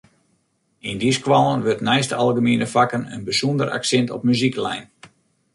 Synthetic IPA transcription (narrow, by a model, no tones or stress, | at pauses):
indiskwalˠənʋørtnɛjstəalˠɣəmiənəfakənə̰nbəsundəra̰ksɛntɔ̰pmyziklɛ̰jn